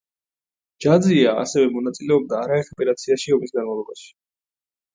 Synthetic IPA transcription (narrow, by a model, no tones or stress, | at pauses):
d͡ʒ̥ad̪zia̰ːsɛvɛmɔnat̪sʼilɛɔb̚d̪aːɾaɛtɛpʼɛɾat̪sʰiaʃiɔmisɡanmavlˠɔbaʃi̥